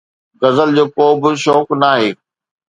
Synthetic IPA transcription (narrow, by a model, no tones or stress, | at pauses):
ɡɐzəld͡ʑoːkoːbɪʃɔːknaːɦeː